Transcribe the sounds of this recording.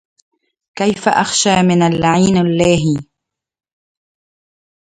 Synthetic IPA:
kajfa̰ʔaxʃaːmɪnalːaʕiːnalːaːɦi

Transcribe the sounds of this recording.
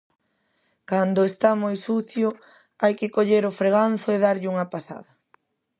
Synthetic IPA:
kand̪ʊest̪amojsuθjʊ | ajkɪkoʎeɾʊfɾeɣan̟θʊeðaɾʎɪuŋɐpasa̰ðɐ

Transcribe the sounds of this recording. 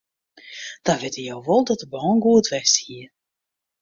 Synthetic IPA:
d̥aʋɪtijowʋɔlˠdɔtəbɔːnɡuətʋɛsthiə

